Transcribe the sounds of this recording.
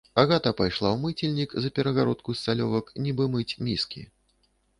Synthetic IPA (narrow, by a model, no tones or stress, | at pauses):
aɣat̪ɐpajʂlˠawmɨt͡sʲilʲnʲikzɐpʲɛɾɐɣaɾɔt̪̚kust̪salʲɔvɐknʲibɨmɨt͡sʲmʲiskʲḭ